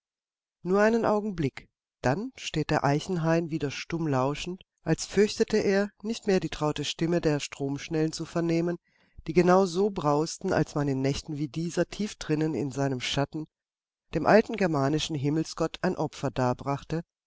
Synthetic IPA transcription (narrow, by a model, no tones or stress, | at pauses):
nuːɐʔaɪnənʔaʊɡŋ̩blɪk | d̥anʃteːt̚d̥eːɐʔaɪçn̩ɦaɪnviːdɐʃtʊmlaʊʃn̩t | ʔalsfʏɐçtətəʔeːɐnɪçtmeːɐdiːtʁ̥aʊtəʃtɪmədeːɐʃtʁ̥oːmʃnɛlənt͡sufɛɐneːmən | d̥iːɡənaʊzoːbʁaʊstn̩a̰lsmanɪnːɛçtn̩viːdiːzɐtʰiːfd̥ʁɪnənɪ̰nzaɪnəmʃatn̩ | d̥eːmʔaltn̩ɡɛɐmaːnɪʃn̩ɦɪml̩sɡ̥ɔtʰaɪnʔɔpfɐdaːɐbʁaχtə